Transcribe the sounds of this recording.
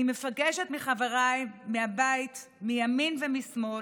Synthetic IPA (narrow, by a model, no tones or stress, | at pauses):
imefaɡeʃetmiχaveʁajːiabait | mijaminvemismo̞